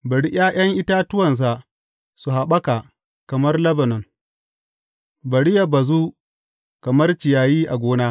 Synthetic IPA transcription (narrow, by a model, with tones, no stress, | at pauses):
bɐ˨ɽi˦ʔj̰aː˦j̰ɐ˦ŋʔɪ˦ta˦tʊ˦wɐ˨ns̬a˨ | su˨ɦa˨ɓɐ˦ka˨ | kɐ˨mɐ˦rlɐ˦bɐ˨nɔ˨ŋ | bɐ˨ɽi˦ja˨bɐ˨zuː˦ | kɐ˨mɐ˦rt͡ʃɪ˨jaː˨jiː˦ʔa˨ɡʷoː˦naː˦